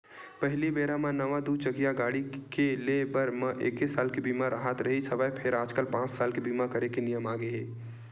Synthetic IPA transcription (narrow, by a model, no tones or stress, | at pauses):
pəɦlibeːɾamãnəʋad̪ut͡ʃəɡijaɡaːɽikelebəɾmə̃ʔeːkesaːlkebiːmaɾʔəɦət̪ɾəɦisʰəʋapʰeɾaːd͡ʒkəlpãːt͡ʃsaːlkebiːmakəɾekenijəmaːɡeɦeː